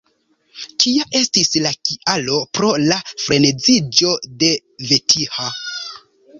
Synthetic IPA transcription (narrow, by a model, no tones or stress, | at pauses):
tʰiaʔe̞stislakiʔalo̞pɾo̞lafɾe̞ne̞zid͡ʒo̞de̞ | ve̞tʰiha